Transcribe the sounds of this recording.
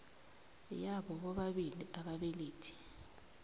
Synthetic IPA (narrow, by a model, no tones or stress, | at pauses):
jaɓɔɓɔɓaɓiliʔaɓaɓeliːtʰi̥